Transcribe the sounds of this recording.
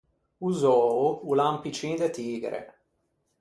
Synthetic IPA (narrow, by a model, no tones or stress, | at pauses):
uzɔːuulampit͡ʃĩd̪et̪iːɡɾḛ